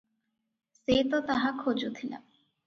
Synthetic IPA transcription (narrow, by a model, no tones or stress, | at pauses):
seːt̪ɔt̪aɦakʰod͡ʒut̪ʰina̰